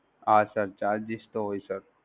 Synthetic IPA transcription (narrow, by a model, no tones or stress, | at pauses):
aːsəɾt͡ʃaːɾd͡ʒist̪oɦoisəɾ